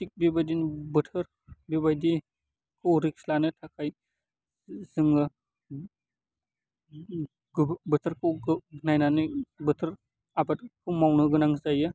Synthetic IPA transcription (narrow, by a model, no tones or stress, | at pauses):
tik̚bibajdinbɯtʰɯɾ | bibajdi | kʰɯwɾik̚slanɯtʰakʰaj | zɯŋɯ | ɡbɯtʰɯɾkʰɯwɡɡnajnanɯbɯtʰɯɾ | abat̚kʰɯmawnɯɡɯnaŋzajɯ